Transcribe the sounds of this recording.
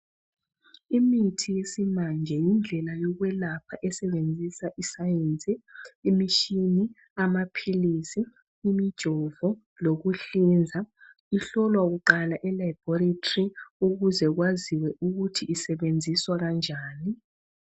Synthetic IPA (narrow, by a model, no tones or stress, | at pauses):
imitʰijesimand͡ʒʱɛjind͡ɮʱɛlajɔɣwɛlapʰaʔɛsɛβend͡zʱisaʔisajent͡sʼiːmiʃini | amapʰilisiː | mid̥ʒ̥ʱɔvɔ | loɣuɬind͡zʱa | iɬɔlwaɣuǃalaʔɛlajib̥ɔɾitʰʼriuɣuzɛɣwaziwɛʔuɣutʰiʔːsɛβend͡zʱiswaɣand͡ʒʱaːni